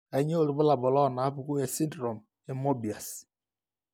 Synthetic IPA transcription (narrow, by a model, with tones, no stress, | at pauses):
a˨˦ɲe˦o˦˨ɾu˨bʊ˦la˨bɔ˨lɔ˦˨na˨a˦pu˨ku˦je˨si˦ndɾɔ˨m | e˦mo˦bi˨a˨s